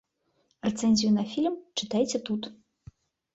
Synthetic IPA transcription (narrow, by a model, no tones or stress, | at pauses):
rɛt̪sɛnʲzʲijunɐfʲilʲmt͡ʂɨt̪ajt͡sʲɛt̪ut̪